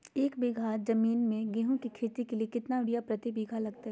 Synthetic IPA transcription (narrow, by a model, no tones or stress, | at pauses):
eːkbiːɡʱad͡ʒɐmiːnmẽɡeːɦõkikʰeːt̪ikeliekɪt̪naʊɽijapɾɐt̪ibiːɡʱalɐɡt̪aɦɛ